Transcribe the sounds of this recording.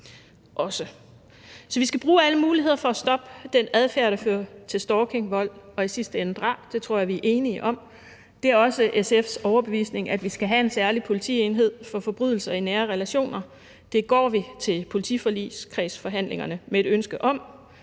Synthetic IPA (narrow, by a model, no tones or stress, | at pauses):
ʔɒ̽sə | sɒ̽ʋisɡ̥æb̥ʁuːæləmuːliɦe̝ð̰ˠɐfɒ̽ːsd̥ɒ̽b̥d̥enæð̞ˠfæɐɾ̥ɑ̈føːɐt͡sʰe̝lsd̥ɒːkʰe̝ŋʋɒ̽l̰ɒ̽isisd̥əenəd̥ʁɑ̥̈ːd̥e̝t͡sʰʁo̝ɐ̰ɐʋiæʔe̝ːniəʔɒ̽m | d̥e̝æɐɒ̽səʔesefsɒʊɐb̥e̝ʋḭːsne̝ŋæd̥ʋisɡ̥æɦæe̝nsæɐlipʰo̝lit͡sʰḭeːnɦe̝ð̞̰ˠfɒ̽fɒ̽b̥ʁy̰ð̰ˠl̩sɐinæːɐʁɛlæɕo̝̰ːnɐ | d̥e̝ɡ̥ɒ̰ːʋit͡sʰe̝lpʰo̝lit͡sʰifɒ̽lḭːskʰʁɛ̰ːsfɒ̽ɦæn̰le̝ŋɐnəmeeɾønsɡ̥əʔɒ̽m̰